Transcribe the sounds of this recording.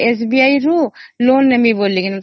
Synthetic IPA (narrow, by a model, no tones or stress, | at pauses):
es̬bijaːiɾuloːnːəmiboːlːikinɐ